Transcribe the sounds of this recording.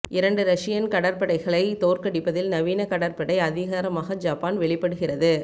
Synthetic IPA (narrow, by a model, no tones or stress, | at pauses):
ɪɾɐɳɖɯɾɐʂɪjɐnkɐɽɐɾpɐɽɐɪɣɐɭɐɪt̪oːɾkɐɽɪpːɐðɪlnɐʋiːnɐkɐɽɐɾpɐɽɐɪɐðɪɣaːɾɐmaːɣɐd͡ʒaːpaːnʋɛɭɪpːɐɽɯɣɪrɐðɯ